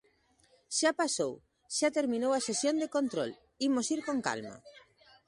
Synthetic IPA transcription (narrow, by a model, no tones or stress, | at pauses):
ʃapasow | ʃat̪eɾmĩnowasesjond̪ekont̪ɾol | imosiɾkoŋka̰lma̰